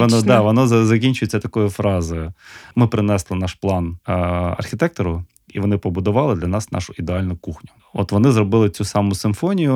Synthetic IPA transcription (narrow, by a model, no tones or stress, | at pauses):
ʋɔnɔd̪ɑʋɔnɔzɐkʲinʲt͡ʃʊjet͡sʲːɐt̪ɐkɔjʊfɾɑzɪmɪpɾɪnɛslˠɪnɑʃplˠɑnɐ̰rxʲɪt̪ɛk̚t̪ɔɾʊ | iʋɔnɪpɔbʊd̪ʊʋɑlˠɪd̪lʲɐnɑsnɑ̰ʃʊid̪eɑlʲnʊkuxnʲʊ̥ | ɔ̰t̪ʋɔnɪzrɔbɪlˠɪt͡sʲusɑmʊsɪmfɔnʲijʊ